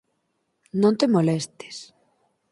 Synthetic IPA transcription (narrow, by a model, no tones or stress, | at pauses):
nõnt̪emolest̪e̥s